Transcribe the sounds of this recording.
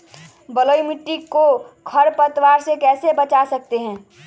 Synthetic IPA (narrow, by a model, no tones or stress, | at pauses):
bəloːimiʈːikokʰəɾpət̪waːɾsekɛːsebət͡ʃasək̚t̪eɦɛ̃ː